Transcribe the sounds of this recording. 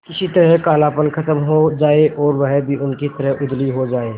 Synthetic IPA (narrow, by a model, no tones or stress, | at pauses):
kɪsit̪ɐɾəɦkaːlaːpənkʰɐt̪əmɦod͡ʒaːeʔɔːɾʋɐɦbʱiʔʊnkit̪ɐɾəɦʊd̪liɦod͡ʒaːeː